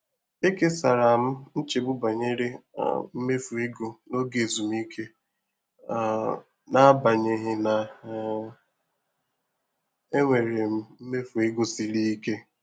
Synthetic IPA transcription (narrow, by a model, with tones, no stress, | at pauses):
e˦ke˦sa˨ɾa˨m̩˦n̩˦t͡ʃe˨bʊ˦ba˨ɲe˦ɾḛ˦˨m̩˦me˦fu˨ɪ˦ɡo˨no˦ɡe˨zu˨m˦i˦kʰe˦˨ | na˦ba˨ɲe˨ɦɪ˦na˨ | e˦ŋʷe˨ɾe˨m̩˦m̩˦me˦fu˨ɪ˦ɡo˨si˨ɾi˦i˦ke˦